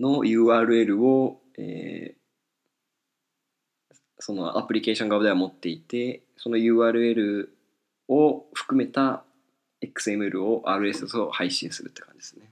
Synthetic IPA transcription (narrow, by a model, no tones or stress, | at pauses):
no̞jɯ̟ːaːɾɯ̟e̞ɾɯ̟o̞ | ḛː | so̞no̞̰ʔa̰pɯ̟ɾʲike̞ːɕoŋɡabɯd̪aamo̞t̪ːe̞it̪e̞ | so̞no̞jɯ̟ːaːɾɯ̟e̞ɾɯ̟ | oɸɯ̟̥kɯ̟me̞t̪a | ekɯ̟̥sɨe̞mɯ̟eɾɯ̟o̞ʔaːɾɯ̟e̞ssohaiɕḭ̃ɰ̃sɨɾɯ̟t̪ːe̞̥kãɲd͡ʑid̪̥esɨne̞